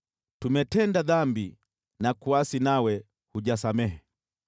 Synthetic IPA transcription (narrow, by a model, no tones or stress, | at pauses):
tumɛtɛndaðambi | nakuasinawɛ | huʄas̬amɛhɛ